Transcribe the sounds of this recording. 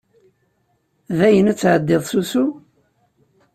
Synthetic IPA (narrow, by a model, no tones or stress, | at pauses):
ðæjənæt͡sːʕəd̪ːɪðˤsusu